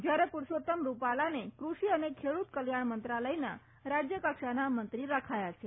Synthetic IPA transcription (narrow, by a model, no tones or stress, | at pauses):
d͡ʒjaɾepuɾsot̪əmɾupalanekɾuʃiənekʰeɽut̪kəljaɳmənt̪ɾaləjna̰ | ɾad͡ʒjəkəkʃanamənt̪ɾiɾakʰajat͡ʃʰe